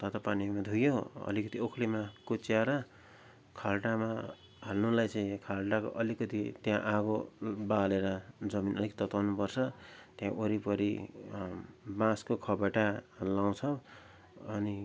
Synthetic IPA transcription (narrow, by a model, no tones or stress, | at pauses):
t̪at̪apanimad̪ʱujoʌ̰likʌt̪iokʰlimakut͡siaɾʌ | kʰalʈama | ɦalnulajt͡sʌĩkʰalʈako̰ʔʌlikʌt̪it̪jãʔaɡobaleɾʌd͡zʌminʔʌ̰likt̪ʌt̪wawnupʌrt͡sʰʌt̪jãʔoɾipʌɾi | bãskokʰʌbaʈalaw̃t͡sʰʌ | ʌni